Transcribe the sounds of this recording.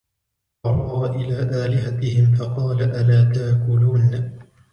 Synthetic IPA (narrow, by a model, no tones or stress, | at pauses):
ɑɾˤɑːʔɪlaːʔaːlɪɦat̪ɪhɪmfɑqɑːlaʔalaːt̪aːkʊluːn